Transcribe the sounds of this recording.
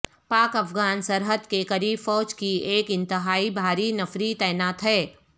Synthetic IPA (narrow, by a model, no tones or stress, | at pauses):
paːkɐfɡaːnsɐɾɦəd̪kekɐɾiːbfɔːd͡ʒkieːkɪ̃nt̪ɪɦaːibʱaːɾinɐfɾit̪ɛːnaːt̪ɦɛː